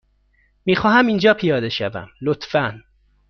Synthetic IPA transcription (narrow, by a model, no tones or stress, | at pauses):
miːxɒːɦæmind͡ʒɒːpʰijɒːd̪e̞ʃævæ̰mlot̪fæn